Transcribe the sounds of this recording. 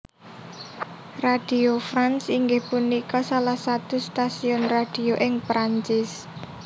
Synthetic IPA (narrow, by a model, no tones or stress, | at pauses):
rad̥iofɾansiŋɡɪhpunikɔsalahsat̪ust̪asiʊnrad̥ioʔɪŋpɾaɲt͡ʃɪs